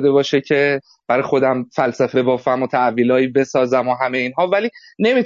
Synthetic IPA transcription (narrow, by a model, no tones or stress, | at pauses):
d̪e̞bɒːʃecʰe̞ | b̥æɾɒːjxo̞d̪æmfælsæfe̞bɒːfæmot̪ʰæviːlɒːiːbe̞sɒːzæmoɦæme̞jeiːnɦɒːvæliː | ne̞mi